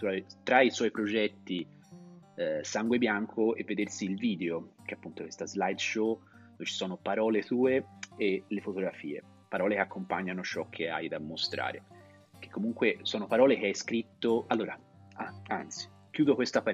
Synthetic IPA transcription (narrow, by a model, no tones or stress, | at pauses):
t̪uat̪ɾaiswɔjpɾod͡ʒɛt̪ːi | saŋɡwebjaŋkʰoḛvːed̪ersiːlviːd̪eok̟eapːunt̪okwe̥st̪azlajd̪ʃo | t͡ʃːi̥sɔːnopaɾɔːlet̪uːeelefot̪oɡɾafiːḛ | paɾɔːlekeakːompaɲːanot͡ʃɔkʰːea̰jd̪amːost̪ɾa̰ːɾe | k̟ːe̥kːomuŋkwesɔːnopaɾɔːlek̟eajskɾit̪ːoalːoːɾa | aa̰nt̪si̥ | kjuːd̪okwest̪apa